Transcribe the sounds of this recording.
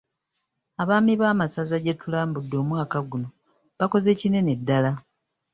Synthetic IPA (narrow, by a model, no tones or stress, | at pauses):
aβaːmiβaːmasazaɟe̞tulaːmbudːo̞ːmwaːkaɡuno̞ | βako̞ze̞cine̞ne̞dːala